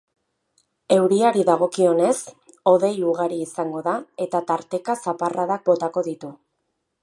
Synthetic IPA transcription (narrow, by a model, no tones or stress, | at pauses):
e̞wɾiaɾiðaɣ̞o̞kio̞ne̞s | o̞ðe̞juɣaɾiːsaŋɡo̞ðae̞t̪at̪aɾt̪e̞kasaparʔaðak̚bo̞t̪ako̞ðit̪u